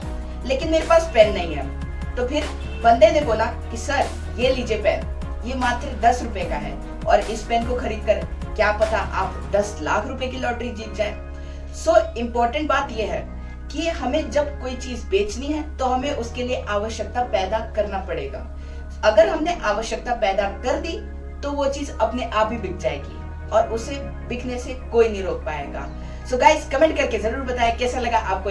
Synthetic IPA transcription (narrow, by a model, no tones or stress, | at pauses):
leːkɪnmeːɾepaːspɛːnːɐɦĩɦɛː | t̪oːpʰɪɾ | bɐ̃nd̪ẽnẽboːlakisɐɾ | jeliːd͡ʒepɛːn | jemaːt̪ɾed̪ɐsɾʊpekaɦɛ̰ː | ɔːɾɪspɛ̃ːnkoxɐɾiːd̪̚kɐɾkjaːpɐt̪aʔaːp | d̪ɐsla̰ːkʰɾʊpəekilɔːʈɾid͡ʒiːt̪̚d͡ʒaːẽː | soːɪ̃mpɔːɾʈə̃ɳʈbaːt̪jeɦɛː | kiɦɐmẽd͡ʒɐbkoːit͡ʃiːzbeːt͡ʃniɦɛt̪oɦɐmẽʔʊskelieʔaːʋəʃjək̚t̪apɛːd̪akɐɾnapɐɽeːɡa̰ː | ɐɡəɾɦɐmneʔaːʋəʃjək̚t̪apɛːd̪akɐɾd̪i | t̪oʋot͡ʃiːzɐpneʔaːp̚bʱibɪk̚ʰd͡ʒaːḛːɡḭ | ɔːɾʊse | bɪkʰnesekoːinĩɾoːk̚pa̰ːḛːɡa̰ː | soɡaːɪskɐmɛ̃ɳʈ̚kɐɾkezɐɾuːɾbɐt̪aːekɛːsalɐɡaʔaːp̚ko